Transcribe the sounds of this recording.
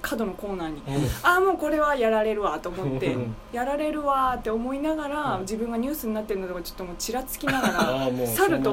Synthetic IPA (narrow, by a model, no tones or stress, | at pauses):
kʰad̪o̞no̞ko̞ːnaːɲ̟iamo̞ːko̞ɾe̞βajaɾaɾe̞ɾɯ̟βat̪o̞ːmo̞t̪ːe̞̰jaɾaɾe̞ɾɯ̟βat̪ːe̞o̞mo̞inaɡaɾad͡ʑibɯ̟̃ŋɡaɲ̟ɨːsɨɲ̟inat̪ːe̞ɾɯ̟nod̪oɡat͡ɕo̞̥t̪ːomo̞ːt͡ɕiɾat͡sɨ̥kʲinaɡaɾasaɾɯ̟t̪o